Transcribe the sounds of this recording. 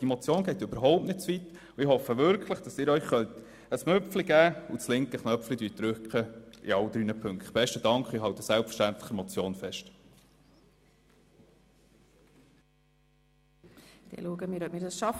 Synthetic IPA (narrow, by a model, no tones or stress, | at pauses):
dimɔt͡sjoːnɡ̥ɛɪt̪øbəɾɦɔʊp̚tnɪt̚t͡svit̪ | ʊɪhɔfːəʋʏɾkχləχd̥ɑsɪːɾœʏχχœnt̪ | əsmɵfliɡ̥æːʊt͡slɪŋkəχnœpflid̥yːt̚d̥ɾʏkχəɪ̰ɑld̪ɾyːnəpʰɵŋktb̥ɛʃtədɑŋkχɪɦɑʊt̪əsælpfə̥ʃtænt̪ləχəmɔt͡sjoːnfɛʃt | d̪̥ɛ̰luəɡəmiːɾɔp̚miːɾdɑsʃɑf